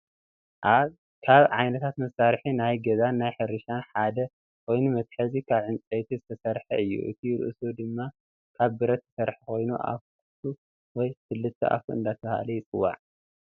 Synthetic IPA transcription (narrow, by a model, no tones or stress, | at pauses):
ʔaβ | kʰaβʕajnɐt̪ʰat̪mɐsaɾħinajɡɐzanːajħɨɾɨʃanħad̪ɐ | kʰo̞jnumɐt̪ħɐzikʰaβʕɨnt͡sʼejt̪ʰizɨt̪ʰɐsɐɾħɐɨjːṵʔɨ̰t̪ʰijɾɨ̰ʔɨsud̪ɨmːa | kʰaβbɨɾɐt̪ʰːɐ̥sɐɾħakʰo̞jnuʔa̰fkʰut̪ʰu | wɔjfɨlːɨt̪ʰːɐ̰ʔa̰fuɨ̰nd̪at̪ʰɐha̰lɐjɪt͡sʼɨwːa̰ʕ